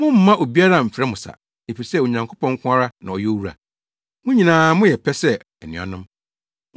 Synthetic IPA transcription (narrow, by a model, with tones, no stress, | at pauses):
mʊ̃˦m̩ː˦ã˦ʔo˨bi˦a˦ɾa˦˨m̩˨fɾɛ˦mʊ̃˨sa̰˨ | e˨fi˨sɛ˦˨o˨ɲã˨ŋkʰo˦pɔ̃˦ŋ˦kʰʷʊ̃˦a˦ɾa˦nã˨ɔ˨jɛ˦o˦wu˦ɾa̰˨ | mʊ̃˦ɲĩ˨nãː˨˦mʊ̃˦jɛ˨pʰɛ˦sɛ˦ | ɛ˨nɪ̃˨ɔ̰˨nʊ̃˦m